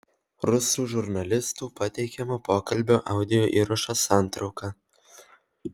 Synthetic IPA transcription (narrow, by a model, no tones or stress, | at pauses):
ɾʊsuːʒʊɾnɐlʲɪst̪uːpɐt̪ʲɛɪkʲɛmopoːkɐlʲbʲoːʔɑˑʊd̪ʲɪjoːʔiːɾɐʃɐsɑˑnt̪ɾɒʊkɐ